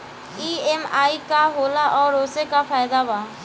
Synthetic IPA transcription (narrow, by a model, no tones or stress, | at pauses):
iːemaːikaɦoːlaʔɔːɾoːsekafʰaːjd̪abaː